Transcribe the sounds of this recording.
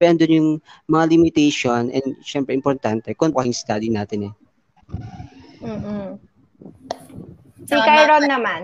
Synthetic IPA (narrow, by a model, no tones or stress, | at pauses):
ɛɐnd̪onjʊŋmɐŋalɪmɪt̪ɛjʃonɛ̰nd̪ʃɛmpɾɛʔɪmpoɾt̪ant̪ɛkonaɪŋst̪ad̪inaːt̪ɪnɛ | m̩ː | sikajɾonːɐman